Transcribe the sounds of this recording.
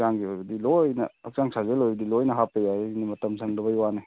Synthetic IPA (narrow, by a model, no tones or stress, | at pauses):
zaŋɡiojbɐdilojnɐ̰ɐk̚zaŋsazelojbɐdilojnɐɦapejaenimɐtɐmsʰaŋdɐbɐjwane